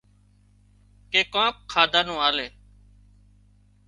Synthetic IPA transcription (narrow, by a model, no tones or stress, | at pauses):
keːkãːp̚kʰaːd̪ʱaːnõːaːleː